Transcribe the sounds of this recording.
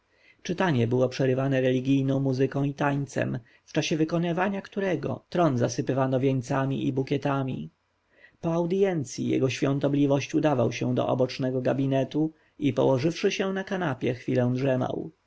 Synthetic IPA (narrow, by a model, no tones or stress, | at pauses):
t͡ʂɘt̪aɲɛbɘwɔpʂɛɾɘvanɛɾɛlʲiɡʲijnɔ̃w̃muzɘkɔ̃w̃it̪aɲt̪sɛ̰m | ft͡ʂaɕɛvɘkɔnɘvaɲakt̪uɾɛɡɔ̰t̪ɾɔnzasɘpɘvanɔvʲjɛɲt̪samʲiibukʲɛt̪amʲḭ | pɔawd̪jɛnt̪sʲjijɛ̰ɡɔɕfʲjɔ̃nt̪ɔblʲivɔɕt͡ɕud̪avawɕɛ̃d̪ɔ̰ʔɔ̰bɔt͡ʂnɛɡɔɡabʲinɛt̪u | ipɔ̰wɔʐɘfʂɘɕɛnakanapʲjɛxfʲilɛ̃w̃dʐɛma̰w